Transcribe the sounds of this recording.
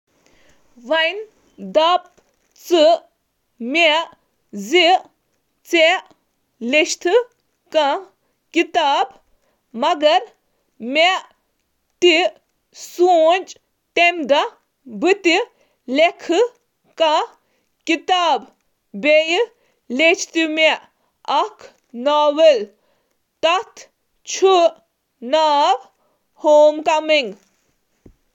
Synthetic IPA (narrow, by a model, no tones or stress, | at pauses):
ʋɐjn | d̪ɐp̚ | t͡sɨ | me | zi | t͡se | leʃt̪ʰɨ | kɐ | kit̪aːb | mɐɡɐɾ | meʔ | t̪i | suːnd͡ʒ | t̪emd̪ɐ | bʱɨt̪i | lekʰɨ | kɐ̃ | kit̪aːb | bej | let͡ʃʰt̪imeʔ | ɐkʰ | naːʋel | t̪ɐt̪ʰ | t͡ʃʰu | naːb | hoːmkɐmiŋɡ